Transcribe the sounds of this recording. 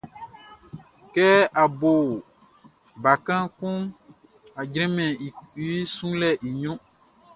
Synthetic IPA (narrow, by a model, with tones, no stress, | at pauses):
kɛ˦a˨bo˨ | ba˨kã˦kũ˦ | a˨d͡ʒɾɛ̃˦mɛ̃˨i˦sũ˦lɛ˦ʔi˨ɲɔ̃˦